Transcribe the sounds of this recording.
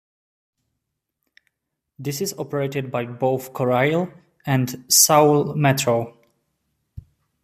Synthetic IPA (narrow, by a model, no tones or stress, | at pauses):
ðɪsɪzɔpəɹeɪtɨd̚baɪboʊθkʰɔɹaɪlˠ | æ̃ndsawlˠmɛtʰɹoʊ